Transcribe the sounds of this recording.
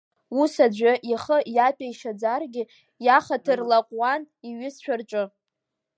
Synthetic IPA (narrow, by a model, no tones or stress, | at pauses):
usad͡ʒʷaʔiχəjapʼaiʃad͡zarɡʲɪ | jaχatʰɨrlaqʷʼwan | iɥɪsʃʷᶣarʈ͡ʂʷʼʊ